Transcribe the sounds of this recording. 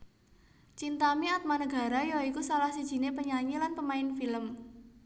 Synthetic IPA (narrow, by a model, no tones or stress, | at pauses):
t͡ʃint̪amiat̪̚manəɡ̥a̤ɾajɔikusalahsid̥ʒ̥i̤nepəɲaɲilanpəmaɪnfiləm